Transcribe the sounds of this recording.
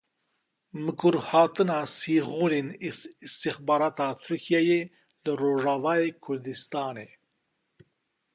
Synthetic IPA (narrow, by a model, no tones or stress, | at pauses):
mɨkʰuɾhɑːt̪ɨnɑːsiːɣuːlenist̪ixbɑːɾɑːt̪ʰɑːt̪ʰuɾkʰijɛjeː | lɨɾoːʒɑːvɑːjeːkʰʊɾd̪ist̪ɑːneː